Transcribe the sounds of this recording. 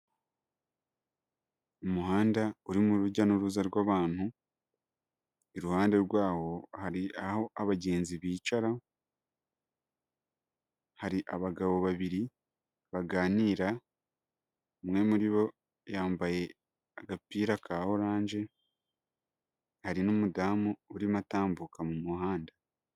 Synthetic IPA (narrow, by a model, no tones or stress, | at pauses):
omuhaːndauɾimuɾuɟanoɾuzaɾwaːβaːn̥u | eɾuhaːnde̞ɾɡwaːho̞haɾiaho̞ʔaβaɟe̞ːnziβiːt͡ʃaɾa | haɾiʔaβaɡaβo̞βaβiɾi | βaɡaːniːɾa | mwe̞muɾiβo̞ | jaːmbaje̞ | aɡapiːɾakʰaːho̞ɾaːɲd͡ʒe̞ | haɾinumudaːmuuɾimataːmbukamumuhaːnda